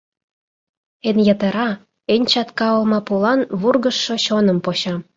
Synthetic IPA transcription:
enjɑt̪əɾɑ | enʲt͡ɕɑt̪kɑolmɑpulɑnβurɣə̆ʃːoɕonə̆mpoɕɑ

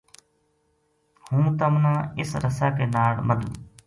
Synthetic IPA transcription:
hũːt̪əmnãːɪsɾəsaːkeːnaːɽməd̪ṵː

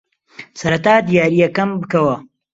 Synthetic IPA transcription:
sɐɾɐt̪aːd̪ijaːɾijɐkɐmbɨkɐwɐ

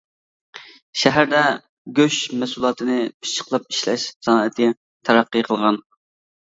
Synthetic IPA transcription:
ʃæɦæɾd̪ɛ | ɡʲøʃmɛsulˠɑːt̪ʰɨnɨpʰi̥t͡ʃʰːə̥qlˠɑp̚i̥ʃlɛ̰ʃsɑnɑːɛt̪ʰɪ | t̪ʰæɾæqːɨjqʰəlˠʁɑn

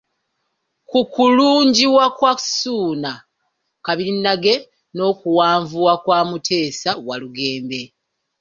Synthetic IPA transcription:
kukuluːɲɟiwakwasuːna | kaβinːaɡe̞ | no̞ːkuwaːɱvuwakwaːmutʰe̞ːsawaluɡe̞ːmbe̞

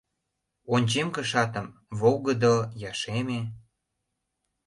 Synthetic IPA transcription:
onʲt͡ɕemkə̆ʃɑt̪ə̆mvoɣəd̪ojɑʃeme

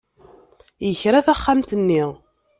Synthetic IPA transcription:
jəçɾæθæχːamt̪ənːiʁ

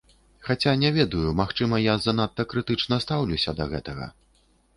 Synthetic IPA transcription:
xat͡sʲanʲɛvʲɛd̪ɐjumaxt͡ʂɨmɐjazɐn̪at̪ːɐkɾɨt̪ɨt͡ʂnɐst̪awlʲusʲɐd̪ɐɣɛt̪ɐɣɐ̰

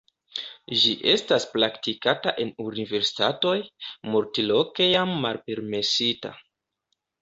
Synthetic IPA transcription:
ʒiʔe̞stasplaktikataʔe̞nunive̞ɾsi̥tato̞jmoɾtiloke̞jamːalpe̞ɾme̞sita̰

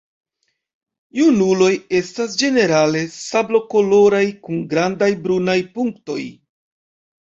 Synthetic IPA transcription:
junulo̞je̞stas̬d͡ʒe̞ne̞ɾale̞sablo̞ko̞lo̞ɾajkuŋɡɾandajbɾunajpuŋkto̞̰j

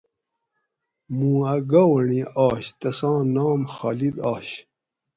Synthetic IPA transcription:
mũːɐɡawɐɳiɑːɕt̪ɐsɑ̃ːnaːmxaːlid̪aːɕ

